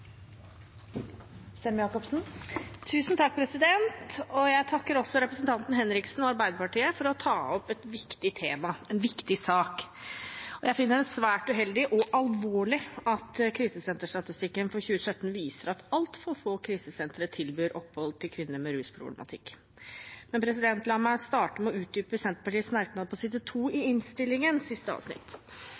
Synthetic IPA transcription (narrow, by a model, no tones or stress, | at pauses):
sɛmjɑːkɔpsn̩t̪ʰʉːsnt̪ʰɑk̚ːpʰɾɛsɪd̪ɛnt̪ɔjæɪt̪ʰɑkːəɾɔsːɔɾɛpɾəsnt̪ʰɑnt̪n̩hɛnɾɪksn̩ɔɑɾbæɪd̪əɾpɑʈiːəfɔɾɔt̪ʰɑːɔpɛt̪ʋɪkt̪ɪt̪ʰeːmɑɛnʋɪkt̪ɪsɑːk | ɔjæɪfɪnːəɾɛnsʋæːʈʉɦɛld̪ɪʔɔʔɑlʋoːɭɪɑt̪kʰɾiːsəsɛnt̪əʂʈɑt̪ɪst̪ɪkːənfɔɾçʉːəsœt̪ːn̩ʋiːsəɾɑt̪ɑlt̪fɔːfoːkʰɾiːsəsɛnt̪ɾət̪ʰɪlbyːɾʔɔpːhɔlt̪ʰɪlkʰʋɪnːəɾmɛɾʉːspʰɾʊ̰blɛ̰mɑ̰t̪ʰɪkː | mɛnpʰɾɛs̬ɪd̪ɛnt̪lɑməst̪ɑːʈəmɛɔʉːt̪̚d̪yːpəsɛnt̪əpɑʈiːsmæɾknɑd̪əpʰɔsɪd̪ət̪ʰuːɪɪnst̪ɪlːɪŋənsɪst̪əɑ̰ːʋsnɪ̰t̪ː